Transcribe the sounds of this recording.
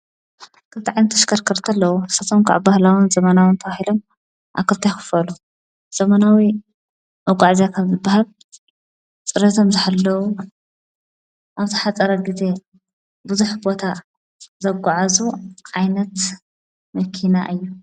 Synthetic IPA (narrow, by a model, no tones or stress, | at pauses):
kʰɨlt̪ʰiʕajnɐt̪ʰːɐʃkʰɐɾkʰɐɾt̪ʰɐlːɐwusɐt̪ʰomkʰa̰βbahlawunzɐmɐnawɨnt̪ʰɐβahilo̞m | ʔa̰kʰɨlt̪ʰajxɨ̥fɐlu | z̥ɐmɐnawi | ʔɐɡʷʼaʕzijakʰɐβzɨbːahal | t͡sʼɨɾɐt̪ʰomzɨħalːɐwu | ʔaβzɨħat͡sʼɐɾɐɡize̞ | buzuħbo̞t̪ʰa | zɐɡʷaʕazuʕajnɐt̪ | mɐkʰina̰ʔɨjːu